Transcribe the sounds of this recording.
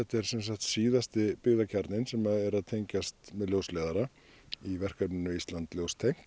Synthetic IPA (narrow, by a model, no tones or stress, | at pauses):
ɛht̪ɛɾ̥sɛnsaxt̪siːðast̪ɪpɪɣðacʰaɾt̪nɪnsɛmaðɛɾaðt̪ʰejɲcast̪mɛðljowslɛːðaɾa | ivɛr̥kaɾpnɪnːʏist̪lant̪ljowst̪ʰejŋ̥